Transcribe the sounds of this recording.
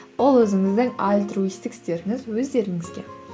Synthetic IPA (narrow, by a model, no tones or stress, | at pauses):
wolˠwɵzɪŋɪzd̪ɪŋalʲt̪ɾuist̪ɪkst̪e̞ɾɪŋɪzwɵzd̪e̞ɾɪŋɪzɡʲe̞̰